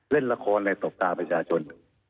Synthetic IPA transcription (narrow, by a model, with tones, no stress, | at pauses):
le˥˩nla˧kʰɔː˧nːa˧jso˨˩˦p̚t̪aː˧pɾa˧t͡ɕʰaː˧t͡ɕʰo˧n